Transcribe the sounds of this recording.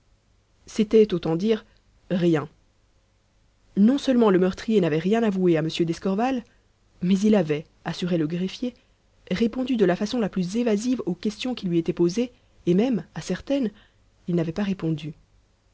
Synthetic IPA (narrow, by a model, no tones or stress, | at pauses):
set̪ɛt̪ot̪ɑ̃d̪iʁ | ʁjɛ̃ | nɔ̃sœlmɑ̃ləmœʁt̪χijenavɛʁjɛ̃navueaməsjød̪ɛskɔʁval | mɛzilavɛ | asyʁeləɡʁefje | ʁepɔ̃d̪yd̪əlafasɔ̃laplyzevazivokʲɛst̪jɔ̃kʲilɥiet̪ɛpozeː | mɛmasɛʁt̪ɛn | ilnavɛpaʁepɔ̃d̪y